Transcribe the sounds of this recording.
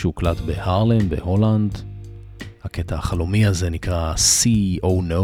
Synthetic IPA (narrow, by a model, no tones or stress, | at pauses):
ʃuklatbe̞haʁlenbe̞̰ho̞land | haketahːχalomiazenikʁasiʔo̞wno